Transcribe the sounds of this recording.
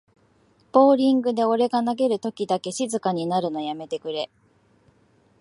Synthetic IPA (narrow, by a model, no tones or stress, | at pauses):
b̥o̞ːɾʲĩŋɡɯ̟d̪e̞o̞ɾe̞ɡanaɡe̞ɾɯ̟t̪o̞kʲid̪ake̞ɕizɨkaɲ̟inaɾɯ̟no̞jame̞t̪e̞kɯ̟ɾe̞